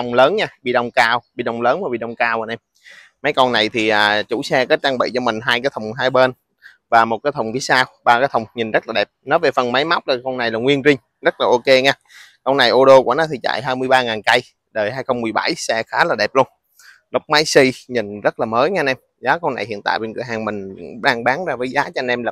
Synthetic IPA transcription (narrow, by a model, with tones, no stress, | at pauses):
wŋ͡mləː˨˦nɲaː˧ɓḭ˧˨ɗə˧wŋ͡mkaː˧wɓḭ˧˨ɗə˧˩wŋ͡mləː˨˦nmaː˨˩ɓḭ˧˨ɗə˧wŋ͡mkaː˧wha˧nʔɛ˧m | ma˨˦jkɔ˧nna˨˩jt̪ʰi˨˩ʔaː˨˩t͡ɕu˧˩sɛ˧kaː˨˦t͡ɕaː˧ŋɓḭ˧˨t͡ɕɔ˧mï˨˩ŋ̟ɦaː˧jkaː˨˦jt̪ʰə˨˩wŋ͡mɦaː˧jɓe˧n | vaː˨˩mo˨˩t̚kaː˨˦jt̪ʰə˨˩ŋ͡mvi˨˦saː˧wɓaː˧kaː˨˦jt̪ʰə˨˩wŋ͡mɲi˨˩nzə˦˥t̚laː˨˩ɛ˨˩p̚nɔ˨˦ve˨˩fə˨˩nma˨˦jma˦˥wk͡p̚ɗaː˨˩kɔ˧wna˨˩jlaː˨˩ŋwi˧ənzi˧ŋ̟ | zə˦˥t̚laː˨˩ʔo˧ke˧ŋɛː˧ | kə˧wna˨˩jʔo˧ɗo˧kṵ˧˩ənɔ˨˦t̪ʰi˨˩t͡ɕa̰ː˧˨jɦaː˧jmɨ˧əjɓaː˧ŋaː˨˩nka˧j | ɗəː˨˩jhaː˧jxə˧wŋ͡mmɨ˨˩əjɓa˧˩jsɛ˧xaː˨˦laː˨˩ɗɛ˨˩p̚lu˧ən | lə˦˥wk͡p̚ma˨˦jsi˧ɲi˨˩nzə˦˥t̚laː˨˩məː˨˦jɲa˧nɛ˧m | zaː˨˦kə˧wna˨˩jhḭ˧˨ənt̪a̰ː˧˨jɓe˧nkɨ̰˧˩əjɦaː˨˩ŋmï˨˩ŋ̟ɓaː˧ŋɓaː˨˦nzaː˧vəː˨˦jzaː˨˦t͡ɕɔ˧ɛ˧nʔɛ˧mlaː˨˩